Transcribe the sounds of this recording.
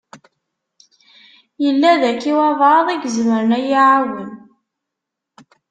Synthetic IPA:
jəlːæðækːiwɑðˤðˤiɡzməɾnæjiʕawən

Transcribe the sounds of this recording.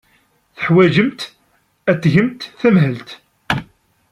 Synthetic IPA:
θəħwæd͡ʒəmt̪ | æt̪ːʝəmt̪θæmɦəlt̪

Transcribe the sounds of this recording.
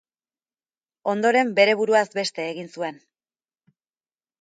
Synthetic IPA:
o̞nd̪o̞ɾe̞mbe̞ɾe̞β̞uɾuazbe̞st̪e̞ːɣinsue̞n

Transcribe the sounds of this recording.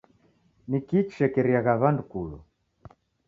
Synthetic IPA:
nikit͡ʃʃɛkɛɾiaɣaβandukulṵ

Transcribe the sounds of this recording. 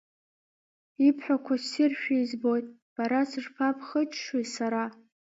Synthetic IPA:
ipʰħʷᶣakʷʰasɪrʃᶣaizbojtʼ | b̥aɾasɨʐpʰapʰχət͡ʃʰʼʂwisaɾa

